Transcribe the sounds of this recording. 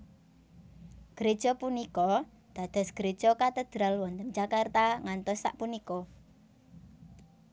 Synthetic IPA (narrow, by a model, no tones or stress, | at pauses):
ɡ̥ɾed̥ʒ̥ɔpunikɔ | d̪̥a̤d̪̥ɔ̤sɡ̥əɾed̥ʒ̥ɔkat̪əd̪̥ɾalwɔnt̪əmd͡ʒakart̪aŋant̪ɔsːa̰ʔpunikɔ